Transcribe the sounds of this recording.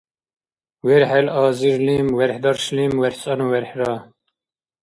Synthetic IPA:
wɛɾħɛlɑːziɾliːmwɛɾħd̪ɑɾʃliːmwɛɾħt͡sʼɑnuwɛɾħɾɑː

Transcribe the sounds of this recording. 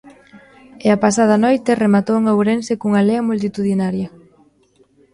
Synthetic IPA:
eɐpasað̞ɐnojt̪eremat̪oweŋawɾensekuŋɐleɐmult̪it̪uðinaɾjɐ

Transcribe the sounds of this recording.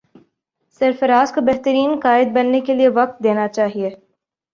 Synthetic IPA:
sɐɾfəɾaːskobɛɦt̪əɾiːnqaːɪd̪̚bɐnːekelieʋɐq̚t̪̚d̪eːnat͡ʃaːɦie

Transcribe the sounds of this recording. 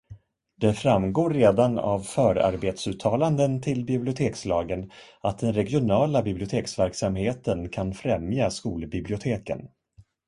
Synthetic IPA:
d̪̥ɛfɾamɡoːɾːeːd̪ana̰vfœːɾa̰ɾbeːt̪sʉ̟ːt̪ʰːɑːland̪ənt̪ʰɪlbɪblɪʊt̪ʰeːkslɑːɡən | at̪̚d̪ɛnɾɛɡjʊnɑːlabɪblɪʊt̪ʰeːksvæɾksamheːt̪ənkʰanfɾɛmjaskuːlbɪblɪʊt̪ʰeːkə̰n

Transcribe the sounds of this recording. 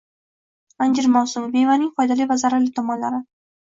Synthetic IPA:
and͡ʒɪɾmawsʊmɪbevanɪŋfɒjd̪alijvazaɾalɪt̪ʰɒmɒnlaɾɪ

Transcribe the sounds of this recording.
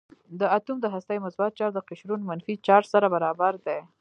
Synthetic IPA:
d̪əat̪umd̪əɦast̪ajmʊsbɑt̪̚t͡ʃɑɾd̪əqɪʃɾunmanfit͡ʃɑʈsaɾabaɾɑbaɾd̪e

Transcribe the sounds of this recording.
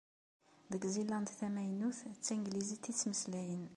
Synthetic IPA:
ðəɡzilænd̪θæmæjnuθt͡sːiŋɡlizit̪ːit͡sːməslæjən

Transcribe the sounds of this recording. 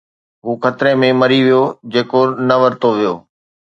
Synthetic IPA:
ɦuːxʰɐt̪ɾemẽməɾiʋijod͡ʑeːkonɐʋəɾt̪oʋijoː

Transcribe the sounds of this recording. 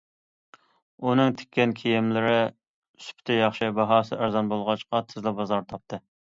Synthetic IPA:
unɨŋt̪ʰe̥kʲːɛnkʲʰejɪmlɪɾɪ | sy̥pʰt̪ʰɛjɑχʃɪbɑɦɑːsɨæɾzɑnbolˠʁɑt͡ʃqɑt̪ʰɪzlɪbɑzɑɾt̪ʰɑp̚t̪ʰɨ

